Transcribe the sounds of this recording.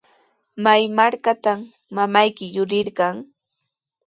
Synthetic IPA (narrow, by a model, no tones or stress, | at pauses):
majmaɾkat̪amː | amajkɪjʊɾɪɾɢɑŋ